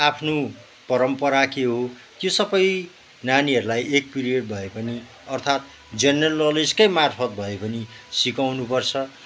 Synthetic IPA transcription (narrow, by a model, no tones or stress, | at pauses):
apʰno | pʌɾʌmpʌɾakeɦo | k̪josʌbʌj | naniʌɾulajʔek̚piriʌɖ̚bʱʌepʌni | ʌrt̪ʰat̪̚ | d͡zʌnʌlʌliskʌjmarpʰʌt̪̚bʱʌepʌnisikawnupʌrt͡sʰʌ